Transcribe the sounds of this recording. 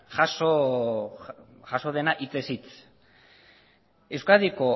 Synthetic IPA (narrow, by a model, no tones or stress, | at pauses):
ʝaso | ʝaso̞ð̞e̞naʔit͡sesit͡s | e̞wskaðiko